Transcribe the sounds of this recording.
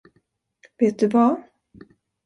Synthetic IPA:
veːt̪̚d̪ɵva

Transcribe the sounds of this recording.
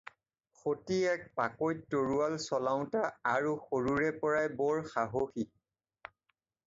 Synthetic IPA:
xotiɛk̚pakojtːoɹualsɔlaʊ̃taaɹuxoɹuɹɛpɔɹajbɔɹxaɦoxi

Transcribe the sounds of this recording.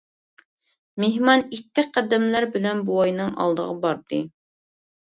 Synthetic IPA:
meɦmɑnit̪ːɪqʰæd̪ɛmlæɾbɪlɛnbuɑjnɨŋʔɑ̰lˠd̪ə̰ʁɑbɑɾd̪ɨ

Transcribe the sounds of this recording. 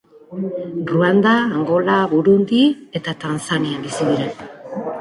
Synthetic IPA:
ruand̪aːŋɡo̞laβuɾund̪ie̞t̪at̪ansanianb̪isiðiɾa

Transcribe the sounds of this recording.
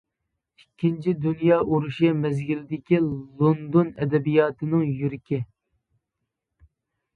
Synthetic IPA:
ikʲʰːint͡ʃʰid̪unjɑːʔuɾuʃɛmɛzɡʲilɪd̪ɪkʲilˠond̪onɛ̰d̪ɛbijɑːt̪ʰɨnɨŋjyɾɪkʲʰi

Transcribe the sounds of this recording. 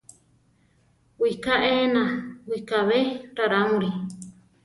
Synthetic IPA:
wikaʔenãwikaβeɾaɾamũɾi

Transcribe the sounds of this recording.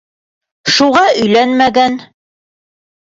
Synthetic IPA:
ʃuʁɑʔɵ̆jlænmæɡæn

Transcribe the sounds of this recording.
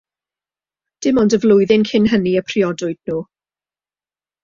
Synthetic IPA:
d̥ɪmɔndəvlʊɨðɪnkʰɪnɦəniəpʰriɔdʊɨd̥nuː

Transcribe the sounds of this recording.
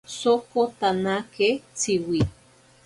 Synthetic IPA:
sokot̪anaket͡siwi

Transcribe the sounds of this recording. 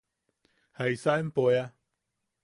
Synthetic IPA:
haisaempoja

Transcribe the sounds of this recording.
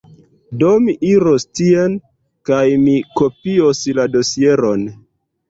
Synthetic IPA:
do̞miʔiɾostien | kajmikopiosladosie̞ɾo̞n

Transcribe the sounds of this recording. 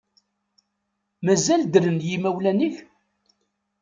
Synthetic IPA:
mæzæld̪ɾənjimæwlæniç

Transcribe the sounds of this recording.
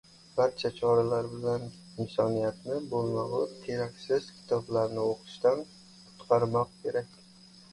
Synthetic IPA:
b̥aɾt͡ʃʰat͡ʃʰɒɾalaɾbɪlan | ɪnsɒnijat̪nɪbolˠmawʊt̪ʰe̞ɾakʲsɪzkʲʰɪ̥t̪ʰɒblaɾnɪoqʰɨ̥ʃt̪an | qʰʊ̥t̪qʰɑɾmɒqkʲʰe̞ɾakʲ

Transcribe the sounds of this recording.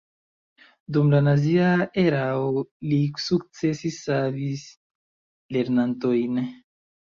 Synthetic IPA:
dumlanaziaeɾaolisuk̚t͡se̞sisːavis | le̞ɾnanto̞jn

